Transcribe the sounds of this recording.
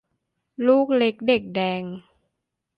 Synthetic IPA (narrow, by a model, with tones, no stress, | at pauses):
luː˥˩k̚le˦˥k̚de˨˩k̚dɛː˧ŋ